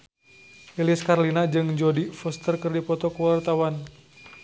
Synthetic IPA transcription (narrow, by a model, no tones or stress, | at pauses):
iliskaɾlinad͡ʒɨŋd͡ʒɔdifɔst̪ərkərdipɔt̪ɔkəwart̪awan